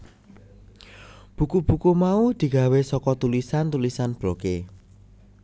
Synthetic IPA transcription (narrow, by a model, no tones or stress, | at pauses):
b̥ṳkub̥ṳkumaud̪̥i̤ɡ̥a̤wesɔkɔt̪ulisant̪ulisanb̥ɾoke